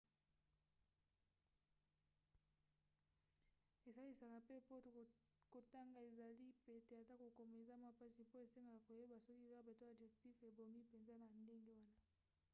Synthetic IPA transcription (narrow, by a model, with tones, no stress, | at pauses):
e˨za˦li˨sa˨ka˨pe˦po˦˨ | ko˨ta˦ŋɡa˨e˨za˨li˦pe˨te˨a˨ta˦ko˨ko˨m˨e˨za˦ma˦pa˦si˨po˦e˨se˦ŋɡa˨ka˨ko˨je˦ba˨so˦ki˦va˦be˨to˦a˨bʒe˨kti˦fe˨bo˨ŋɡi˦pe˨nza˦na˨nde˦ŋɡe˦wa˦na˦